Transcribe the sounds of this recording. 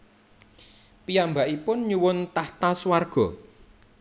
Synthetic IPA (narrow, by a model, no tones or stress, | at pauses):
pijambaʔipʊnɲuwʊnt̪aht̪aswarɡ̥ɔ